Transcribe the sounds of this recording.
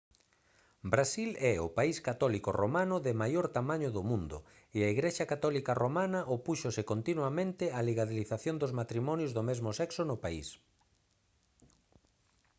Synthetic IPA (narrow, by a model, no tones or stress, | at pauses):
bɾasilɛʊ̰paiskat̪ɔlikoromanʊðɪmajoɾt̪amãɲʊðʊmũnd̪ʊ̰ | eaiɣɾeʃakat̪ɔlikaromanɐʔopuʃosɪkont̪inwamẽnt̪ɪaliɣaðiliθaθjond̪ʊzmat̪ɾimɔnjʊzðomezmʊsɛksonʊpaḭs